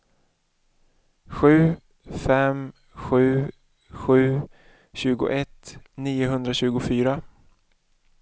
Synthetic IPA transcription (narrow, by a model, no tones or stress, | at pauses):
ɧʉ̟ː | fɛm | ɧʉ̟ː | ɧʉ̟ː | ɕʉ̟ːɡʊ̰ʔɛt̪niːʊɦɵnd̪ɾaɕʉ̟ːɡʊfyːɾa